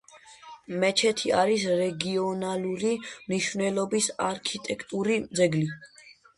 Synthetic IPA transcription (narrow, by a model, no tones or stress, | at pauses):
mɛt͡ʃʰɛt̪ʰiaɾisɾɛɡiɔnaluɾimniʃvnɛlɔbisaɾkʰit̪ʼɛkʰt̪ʼuɾid̪zɛɡli